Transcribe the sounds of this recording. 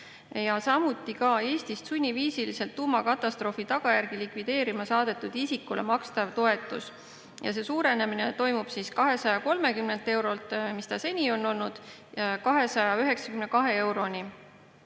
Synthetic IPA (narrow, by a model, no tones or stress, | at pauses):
jɑsɑmut̪ˑːikɑe̞ːst̪ist̪sunʲːiviːsilise̞lt̪ːuːmɑkɑt̪ːˑɑst̪ro̞ːfit̪ɑɡ̥ɑjærɡ̥ilikvid̪̥e̞ːɾimɑsɑːd̪̥e̞t̪ːˑud̪̥isikːulḛmɑkst̪ɑvt̪o̞e̞t̪ːˑṵs | jɑ̰se̞ːsuːɾe̞nemine̞t̪o̞jmub̥siskɑɦe̞sɑjɑko̞lme̞kymnent̪e̞wɾo̞lt̪ˑmist̪ɑse̞nʲio̞nːo̞lnud̪̥ | kɑɦe̞sɑjɑyɦe̞ksɑ̥kymnekɑɦe̞e̞wɾo̞nʲi